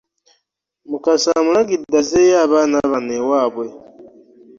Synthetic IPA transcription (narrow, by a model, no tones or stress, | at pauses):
mukasamulaɡidazejaːβaːnaβanewaːβwe